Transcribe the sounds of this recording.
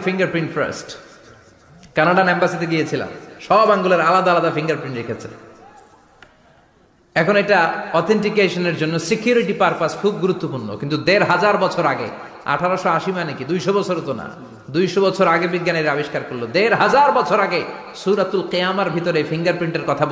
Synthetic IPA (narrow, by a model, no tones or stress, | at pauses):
fiŋɡaɾpɾiɳʈfʰɾa̰sʈ | kanaɽanɛmbasit̪eɡijet͡ɕʰila̰mʃɔbaŋɡuleɾalad̪aalad̪afiŋɡaɾpɾinʈɾekʰet͡ɕʰḛ | ɛkʰonoeʈaɔt̪ʰeɳʈikeʃoneɾd͡ʑonːosekjuɾiʈipaɾpaskʰub̚ɡuɾut̪ːopuɾno̰kint̪ud̪eɾɦad͡ʑaɾbɔt͡ɕʰoɾaɡḛ | a̰ʈʰaɾoʃoaʃimanekid̪ujʃobɔt͡ɕʰoɾot̪ona̰ | d̪ujʃobɔt͡ɕʰoɾaɡebiɡːaneɾabiʃkaɾkoɾlːod̪eɾɦad͡ʑaɾbɔt͡ɕʰoɾaɡe | suɾat̪ulqijamaɾbʱit̪oɾefiŋɡaɾpɾiɳʈeɾkɔt̪ʰab